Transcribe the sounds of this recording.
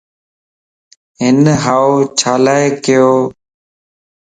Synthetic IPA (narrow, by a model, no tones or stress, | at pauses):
ɦɪnɦaːot͡ʃʰaːlaːekɪjoː